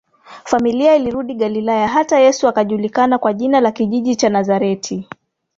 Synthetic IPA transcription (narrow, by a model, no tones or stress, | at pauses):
familiailiɾuɗiɠalilajaɦatajɛsuakaʄulikanakwaʄinalakiʄiʄit͡ʃanazaɾɛtʰi